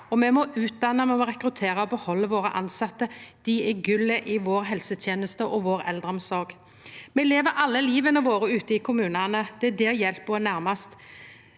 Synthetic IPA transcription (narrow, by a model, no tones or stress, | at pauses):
ɔmɛmɔʉːt̪̚d̪ɑnəmɛmɔɾɛkɾʉt̪ʰeːɾɑɔbəhɔlːəʋoːɾə̰ʔɑ̰nsɑt̪ːəd̪̥ɪɛɡʉlːəʔɪʋoːɾɦɛlsət̪ʰjeːnəst̪əʔɔʋoːɾɛ̰ld̪ɾəɔmsɔɾɡ | mɛleːʋəɾʔɑlːəliːʋənəʋoːɾəʉːt̪əɪːkʰʊmʉːnɑnəd̪̥ɛd̪ɛːɾjɛlp̚boːənæɾmɑst̪